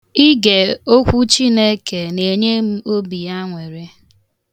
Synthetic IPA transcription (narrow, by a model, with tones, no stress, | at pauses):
i˦ɡe˨o˦kʷu˦t͡ʃi˦ne˦ke˨ne˨ɲe˦m̩˦o˦bi˨a˦ŋʷe˨ɾe˦